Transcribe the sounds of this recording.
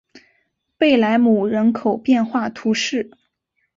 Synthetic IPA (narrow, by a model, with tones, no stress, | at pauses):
pe˥˩ɪla˧˥ɪmu˨˩ɻə˧˥nkʰo˨˩ʊpjɛ˥˧nxwa˥˩t̪ʰu˧˥ʂɻ̩˥˩